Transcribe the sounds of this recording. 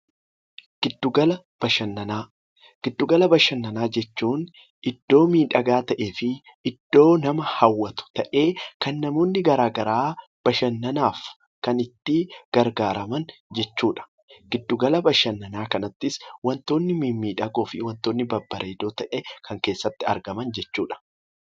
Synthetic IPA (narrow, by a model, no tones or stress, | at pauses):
ɡ̥ɪd̪ːʊɡɐlɐ | b̥ɐʃɐnːɐnaː | ɡ̥ɪd̪ːʊɡɐlɐbɐʃɐnːɐnaːd͡ʒɛt͡ʃːuːn | ɪd̪̥ːo̞ːmiːᶑɐɡaːt̪ɐʔe̞ːfɪ | ɪd̪̥ːo̞ːnɐmɐhɐwːɐt̪ʊ̥t̪ɐʔe̞ːkɐnːɐmo̞ːnːɪɡɐɾaːɡɐɾaː | b̥ɐʃɐnːɐnaːf | kɐnɪt̪ːɪɡ̥ɐɾɡaːɾɐmɐnd͡ʒɛt͡ʃːuːᶑɐ̥ | ɡ̥ɪd̪ːʊɡɐlɐbɐʃɐnːɐnaːkɐnɐt̪ːɪswɐnt̪o̞ːnːɪmimiːᶑɐɡoːfɪwɐnt̪oːnːɪbɐbːɐɾʔeːd̪o̞ːt̪ɐʔekʰɐŋke̞ːsːɐt̪ːɪɐ̰ɾɡɐmɐnd͡ʒɛt͡ʃːuːᶑɐ̥